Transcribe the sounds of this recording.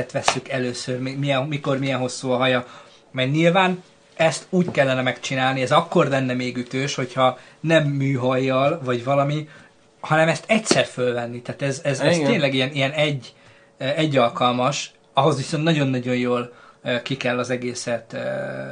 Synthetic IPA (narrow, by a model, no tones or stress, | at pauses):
ɛt̪ʋɛsːykɛløːsørmemijɛnmiko̞rmijɛnɦo̞sːuːɒɦɒjɒ | mɛɡniːlvaːn | ɛst̪uːckɛlːɛnɛmɛkt͡ʃinaːlniɛzɒkːo̞rlɛnːɛmeːɡyt̪øːʃho̞chɒ | nɛmːyːɦɒjːɒlvɒɟvɒlɒmi | hɒnɛmɛst̪ɛcsɛrfølvɛnːit̪aːt̪ɛzɛzɛzt̪eːnlɛɡijɛnijɛnɛɟː | ɛɟːɒlkɒlmɒʃ | ɒɦo̞zʋiso̞nt̪nɒɟo̞nːɒɟo̞njoːlkikɛlːɒzɛɡeːsɛt̪ː